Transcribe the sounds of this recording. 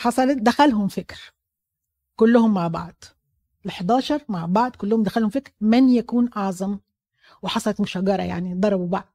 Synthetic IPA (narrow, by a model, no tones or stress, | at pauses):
ħɑsˤɑld̪axalɦʊmfɪkɾ | kʊlːʊhʊmːaʕbɑ̰ʕd̪̥ | lɪħd̪aːʃɑɾˤmaʕbɑʕd̪kʊlːʊhʊmd̪axalhʊmfɪkɾmɪnjakuːnʔɑʕzˤɑm | wɪħɑsˤɑlɑt̪mʊʃaɡɑɾˤɑ̰ja̰ʕnid̪ˤɑɾˤɑbubaʕd̪